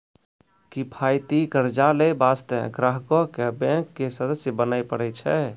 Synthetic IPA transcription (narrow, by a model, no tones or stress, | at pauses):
kipʰajt̪ikəɾd͡ʒalebast̪əɡɾəɦkɔkebɛ̃kːesəd̪əsjəbənajpəɽɛt͡ʃʰɛ